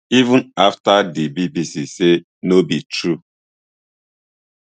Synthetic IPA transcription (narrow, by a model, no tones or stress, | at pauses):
ivũnaftadibibisise | nobitɾu